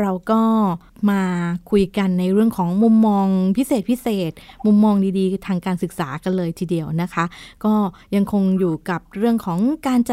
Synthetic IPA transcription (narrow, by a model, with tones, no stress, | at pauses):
ɾa˧wkɔː˥˩ | maː˧kʰu˧jka˧nːa˧jɾɯ˥˩əŋkʰɔː˩˦ŋmu˧mːɔː˧ŋpʰi˦˥seː˨˩t̪̚pʰi˦˥seː˨˩t̪̚mu˧mːɔː˧ŋdiː˧diː˧t̪ʰaː˧ŋkaː˧nsɯ˨˩k̚saː˩˦ka˧nlɤː˧jt̪ʰiː˧di˧əwna˦˥kʰa˦˥kɔː˥˩ | ja˧ŋkʰo˧ŋjuː˨˩ka˨˩p̚ɾɯ˥˩əŋkʰɔː˩˦ŋkaː˧nt͡ɕa˨˩